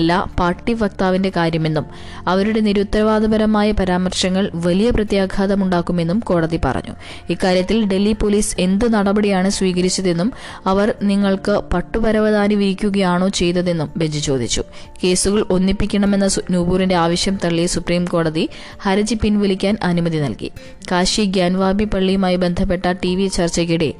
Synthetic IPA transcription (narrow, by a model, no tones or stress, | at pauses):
lːapaːrʈːifɐk̚t̪aːʋinde̞kaːɾjɐme̞nːum | ɐʋɐɾuɽe̞niɾut̪ːɾɐʋaːd̪ɐbɐɾɐmaːjɐpɐɾaːmɐrɕɐŋːɐɭʋɐlijɐprɐt̪jaːɡʱaːðɐmuɳɖaːkːume̞nːumko̞ːɽɐðipɐ̰rɐ̰ɲːṵ | ikːaːɾjɐt̪ːilɖe̞lːipoliːse̞nd̪ɨnɐɽɐbɐɽijaːɳɨsʋiːɣɐɾit͡ɕːɐðe̞nːum | ɐʋɐrniŋːɐɭkɨpɐʈːupɐɾɐʋɐðaːniʋiɾikʲːuɣɐjaːɳo̞ːt͡ɕe̞jt̪ːɐðe̞nːumbe̞ɲd͡ʑit͡ɕo̞ːd̪ʱit͡ɕːṵ | ke̞ːsuɣɐɭʔo̞nːipːikʲːɐɳɐme̞nːɐnuːbuːrinde̞aːʋɐɕjɐmt̪ɐɭːijsupriːmko̞ːɽɐði | hɐɾɐd͡ʑipinʋilikʲːaːnʔɐnumɐðinɐ̰lkḭ | kaːɕiɡjaːnʋaːbipɐɭːijumaːjibe̞nd̪ʱɐp̬ːe̞ʈːɐʈiʋit͡ɕɐrt͡ɕɐɣiɽḛ